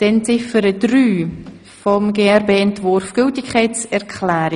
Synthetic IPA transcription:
d̥ɛnt͡sɪfəɾəd̥ryː | fɔmɡeːɛɾbeːɛntvʊɾfɡ̥ʏltɪkʰχɛɪt͡sɛɾkʰlɛːɾi

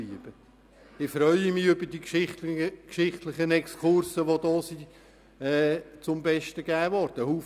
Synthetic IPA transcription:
iəb̥ə | ɪfɾœʏəmɪʏbəd̥ikʃɪkʃɪχt̪lɪχənɛkskʰʊɾsəʋod̥ɔːsi | ɛːt͡sʊmbɛʃtəɡ̥æːʋɔɾd̥əhuːf

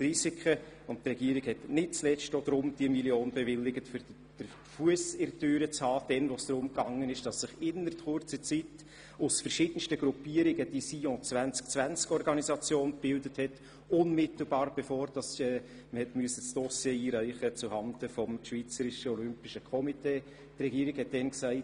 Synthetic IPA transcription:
trisikʰə | ʊntrɛɡiːəɾɪɡhɛtnɪt̚t͡slɛstod̥̪ɾʊmd̥iəmiljoːnb̥ɛvɪlːɪɡətfʏɾ | d̥ə | fuəsɪɾtøːɾət͡shɑːd̥ɛnʋosd̥ɾʊmkɑŋːənɪʃd̥ɑsːɪχɪnːətχʊrt͡sət͡sit | ʊsfəɾʃiːd̥ən̩ʃtəɡ̥ɾupiəɾɪɡəd̥isiɔ̃t͡svænt͡sk̚t͡svʋænt͡skɔɾɡɑnizɑt͡sjoːnb̥ɪldəthɛt | ʊnmɪt̪l̩bɑːɾb̥ɛfoːɾd̥ɑsɛ | məhɛtmyəsəsd̥ɔsjeiːɾœɪχət͡suhɑndəfɔmʃʋviːt͡səɾɪʃəɔlʏmpɪʃəkʰɔmiteː | trɛɡiːəɾɪɡhɛt̚d̥ɛnksæɪ

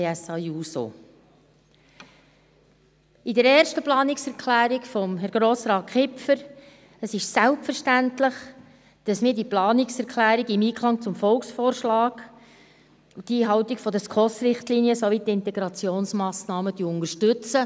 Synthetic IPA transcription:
ɛsɑjuːso̰ | ɪdəɾɛːɾʃtəplɑːnɪksɛɾkʰlæːɾikfɔmɦɛɾɡ̥ɾoːsɾɑːt̚kχɪpfəɾ | əsɪʃsælpfəɾʃtæntlɪχ | d̥ɑsmiːdiplɑːnɪksɛɾkʰlæːɾiɡɪmiːkχlɑŋt͡sʊmfɔlksfɔːɾʃlɑːɡ | ut̪iːɦɑwt̪ikfɔd̪əskʰɔsɾɪχt̪liːniəsoʋitːɪnt̪ɛɡɾɑt͡sioːnsmɑːsnɑːmət̪yːʊndəɾʃtʉt͡sə

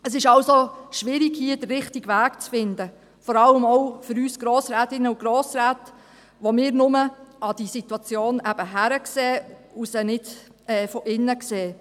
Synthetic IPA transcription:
əsɪʃɑwsoʃʋɪɾiɡhiəd̥ərːɪχtɪɡ̥ʋæːkt͡sfɪnd̪ə | fɔɾɑləmɔʊfʏɾyːsɡ̥ɾoːsɾæːtɪnːəuɡɾoːsɾæːt | ʋomɪːɾnʊməɑd̥isitwɑt͡sjoːnæb̥əɦæɾəkseːusənɪd | ɛːfɔʔɪnːəkseː

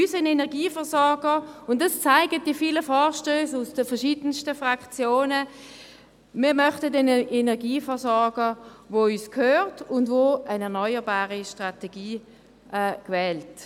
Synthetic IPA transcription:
ysənɛnɛɐʁɡiːfɛɐsɔʁɡəʊntdɑst͡saɪɡət̚d̥ifiːləfaːʁʃtøːsʊsd̥əfɛɐʃiːdənstəfʁakt͡sjoːnə | miːɐmœχtədɛnəɛnɛɐɡiːfɛɐsɔʁɡəvoːyːskhøːʁtʊndvoːənɛɐnɔʏəbaːʁiʃtʁatɛɡiː | ʔːkvɛːlt

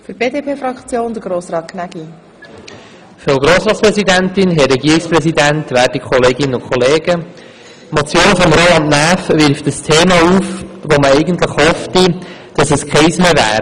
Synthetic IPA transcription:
fyɾb̥eːdepʰeːfɾɑkt͡sjoːnd̪əɾɡɾoːsɾɑːt̚kʰnæɡi | fɔlɡɾoːsɾɑːtt͡sspɾɛsidæntɪnɦɛrːɛɡiːɾɪiksprɛsidæntʋæːɾd̥ikʰɔleːɡɪnənʊkʰɔleːɡ̥ə | mot͡sjoːnfɔmɾoɑnnæːfʋɪɾftd̥əstʰeːmɑuːfʋoməɛɪɡəntləχhɔftid̥ɑsɛskʰɛɪsmeːvæ̰ːɾ

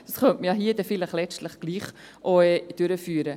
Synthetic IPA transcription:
d̥ɑsχœntməjɑɦiəd̥ɛfɪləχlɛt͡stləχɡ̥liːχ | ʔoɛd̥øɾəfyːɾə

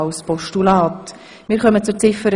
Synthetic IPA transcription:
awspɔʃtulɑːt | mɪːɾχœmət͡sʊt͡sɪfəɾ

